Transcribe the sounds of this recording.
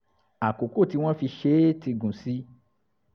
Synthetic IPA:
a˨ko˨ko˦˨ti˧˦w̃ɔ̃˦fi˧ʃe˦ti˧ɡũ˨si˨˦

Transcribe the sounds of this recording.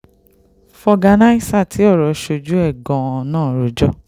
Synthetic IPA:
fɔ˧ɡa˧na˦i˦˨sa˦˨tʰi˨˦ɔ˦˨ɾɔ˨ʃo˧d͡ʒu˨˦ɛ˦˨ɡɔ̃˨˧nãː˦˨ɾo˨˦d͡ʒɔ˦˨

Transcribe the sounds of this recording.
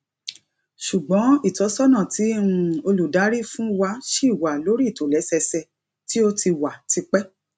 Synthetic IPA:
ʃu˨ɡ͡bɔ̃˨˦i˦˨tɔ˨˦sɔ˦nã˨tʰĩ˨˦o˧lu˨da˨˦ɾi˦fũ˦wa˧˦ʃe˦i˦˨wa˨lo˨˦ɾi˦˨to˨˦lɛ˨˦sɛ˧sɛ˧ | ti˦o˦ti˧wa˨tʰi˧k͡pɛ˦

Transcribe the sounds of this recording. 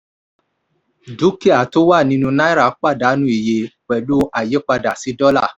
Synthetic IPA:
du˨˦ki˦a˨to˦wa˦˨nĩ˧nũ˧nã˦i˦ɾa˦˨˦k͡pa˦˨da˨˦nũ˧˦i˨je˨k͡pɛ˨du˦ʔa˨je˨˦k͡pa˧da˨si˨˦dɔ˦la˦˨

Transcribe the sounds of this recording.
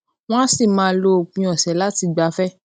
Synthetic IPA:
w̃ã˦si˦˨mãː˨˦˧lo˧˦˨k͡pĩ˧ɔ˨sɛ˨˦la˦ti˧ɡ͡ba˨˦fɛ˦

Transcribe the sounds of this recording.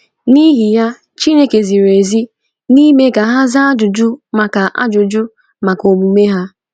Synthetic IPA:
ni˦ɦi˨ja˦ | t͡ʃi˦ne˨ke˨zi˨ɾe˨zi˦ | ni˦me˦ɡa˨ɦa˦za˦a˦d͡ʒʊ˨d͡ʒʊ˦ma˨ka˨ʔa̰˦d͡ʒʊ˨d͡ʒʊ˦ | ma˨ko˨ɡ͡bu˨me˦ɦa˦

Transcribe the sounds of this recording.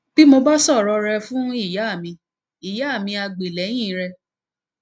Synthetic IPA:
b̥i˦mo˧ba˦sɔ˦˨ɾɔ˧ɾɛ˧fũ˦i˦˨ja˨˦˨mĩ˧ | i˦˨ja˨˦˨mĩ˧a˧ɡ͡be˨lɛ˨˦j̃ĩ˦˨˦ɾɛ˧

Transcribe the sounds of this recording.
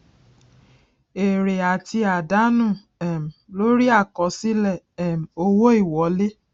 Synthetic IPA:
e˨ɾe˨a˨ti˧a˨da˨˦nũ˦˨ | ɛ˨m̩˨lo˦ɾi˦a˦˨kɔ˨˦si˦lɛ˦˨ | m̩˨o˦wo˦i˦˨wɔ˨˦le˦

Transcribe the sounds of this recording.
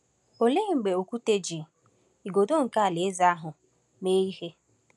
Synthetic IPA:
o˨le˦˨ŋ͡m̩˨ɡ͡be˨o˨kʷu˦te˦d͡ʒi˨ | i˨ɡo˨do˦ŋ̩˨ka˦˨le˨˦za˦ɦʊ˨ | me˦i˦ɦe˦

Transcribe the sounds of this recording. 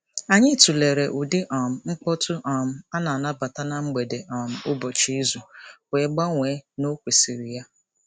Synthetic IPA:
a˨ɲɪ˦tu˨le˨ɾe˨ʔu˨dɪ˦ʔɔ˨m̩˨ŋ͡m̩˦k͡pɔ˦tʊ˦ʔɔ˨m̩˦a˦na˨a˨na˦ba˨ta˦na˦ŋ͡m̩˦ɡ͡be˨de˨ʔɔ˨m̩˨˦ʊ˦bɔ˨t͡ʃi˦zu˨kʷe˨˦ɡ͡ba˦ŋʷe˨˦no˦kʷi˨si˨ɾi˨ja˦

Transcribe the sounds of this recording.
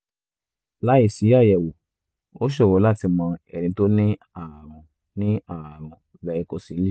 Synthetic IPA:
la˦i˦˨si˨˦ja˦˨jɛ˨wo˨ | o˦ʃ̬ɛ˦˨wɔ˨˦la˦˨ti˧mã˧ɛ˨nĩ˨˦to˦nĩ˦ | a˦˨ɾ̃ũ˧ | nĩ˦a˦˨ɾ̃ɔ̃˧ | lɛ˨˧i˧˦ko˧˦si˨˦li˦

